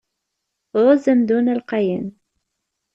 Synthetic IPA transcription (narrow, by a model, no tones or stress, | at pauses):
ðˤɑzæmd̪unælqɑjən